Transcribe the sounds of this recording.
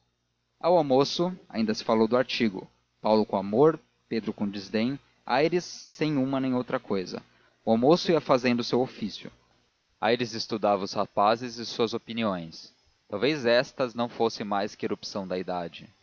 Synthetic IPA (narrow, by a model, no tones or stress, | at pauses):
awawmosʊa̰ĩnd̪ɐsɪ̥falowd̪ʊaɾt͡ʃiɡʊ̰ | pawlʊkõamoɾ | ped̪ɾʊkõd͡ʒizd̪ẽj̃ | a̰jɾɪsːẽj̃ũmɐnẽj̃owt̪ɾɐkojzɐ̰ | ʊawmosʊiɐfazẽnd̪ʊsewofisjʊ̰ | a̰jɾɪzɪst̪ud̪avɐʊshapazɪzɪsuɐzopiniõj̃s | t̪awvejzɛst̪ɐznɐ̃w̃fosẽmajskɪeɾupsɐ̃w̃d̪ɐid̪ad͡ʒɪ